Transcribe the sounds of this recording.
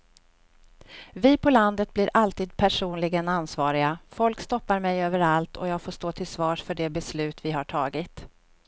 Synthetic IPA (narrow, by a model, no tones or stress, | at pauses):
vɪpʰɔland̪ət̪̚blɪɾʔalt̪iːd̪̚pʰæʂuːnlɪɡənansvɑːɾɪɡafɔlkst̪ɔpːaɾmɛjøːvəɾalt̪ʰɔjɑːɡfoːʂt̪oːt̪ʰɪlsvɑːʂfœɖɛbɛslʉ̟ːt̪vɪɦaʈʰɑːɡɪt̪